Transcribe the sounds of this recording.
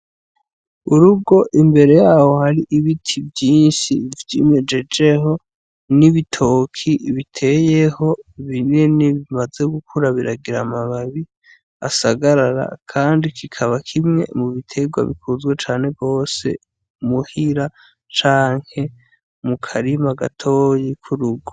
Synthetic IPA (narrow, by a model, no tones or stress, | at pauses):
uɾub̚ɡo̞ʔimbe̞ɾe̞jaːho̞haɾiʔiβitʰivjiːnʃivjimed͡ʒe̞d͡ʒeɦo̞ | niβitʰoːkʰiβitʰe̞je̞ho̞βineniβimaze̞ɡukʰuɾaβiɾaɡiɾamaβaβi | asaɡaɾaɾa̰kʰaːndikʰikʰaβakʰimŋe̞̰muβitʰe̞ɡwa̰βḭkʰuzɡwet͡ʃaːne̞ɡɡo̞ːse̞̰ | muhiɾa | t͡ʃaːŋ̥he̞ | mukʰaɾimaɡatʰo̞jikʰuɾuɡo